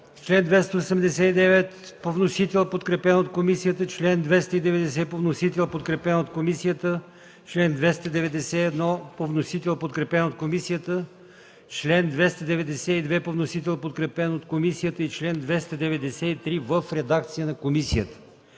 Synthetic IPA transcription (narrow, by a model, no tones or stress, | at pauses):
t͡ʃlɛnd̪vɛst̪əosɛmd̪ɛsɛid̪ɛvɛt̪ | povnosit̪ɛlˠpot̪kɾɛpɛnot̪̚komisijət̪ət͡ʃlɛnd̪vɛst̪əid̪ɛvɛd̪ɛsɛpovnosit̪ɛlˠpot̪kɾɛpɛnot̪̚komisijət̪ə | t͡ʃlɛnd̪vɛst̪əd̪ɛvɛd̪ɛsɛɛd̪nɔpovnosit̪ɛlˠpot̪kɾɛpɛnot̪̚komisijət̪ə | t͡ʃlɛnd̪vɛst̪əd̪ɛvɛd̪ɛsɛid̪vɛpovnosit̪ɛlˠpot̪kɾɛpɛnot̪komisijət̪əit͡ʃlɛnd̪vɛst̪əd̪ɛvɛd̪ɛsɛit̪ɾivəfɾɛd̪ak̚t̪sijənɐkomisijət̪ə̥